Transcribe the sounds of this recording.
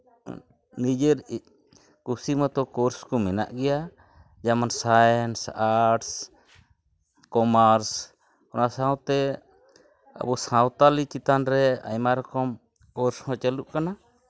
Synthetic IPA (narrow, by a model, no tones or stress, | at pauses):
nid͡ʒəɾi | kusimat̪ɔkɔɾskɔmɛna̰ʔɡɛja | d͡ʒamansaɛnsaʈs | kɔmaɾs | kɔnasãwt̪ɛ | a̰busãwt̪alit͡ʃit̪anɾɛa̰jmaɾkɔm | kɔɾshɔ̃t͡ʃəluʔkana